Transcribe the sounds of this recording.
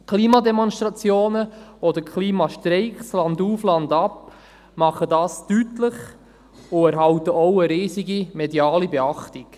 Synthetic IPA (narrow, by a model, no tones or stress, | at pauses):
kʰliːmɑdɛmɔnst̪ɾɑt͡sjoːnəɔdəɾkʰliːmɑʃtɾɛɪkslɑnduːflɑndɑp | mɑχədɑːstytlɪχ | ʊæɾɦɑwtəʔɔwəɾiːziɡimɛdiɑːlibɛɑχtik